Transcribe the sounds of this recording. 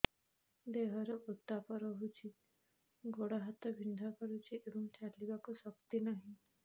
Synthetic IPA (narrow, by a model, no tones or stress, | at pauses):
d̪eɦɔɾɔʔut̪ːapɔɾɔɦut͡ʃʰi | ɡoɽaɦat̪ɔbʱind̪ʱakɔɾut͡ʃʰiʔebɔŋt͡ʃalibakusɔkt̪inaɦĩ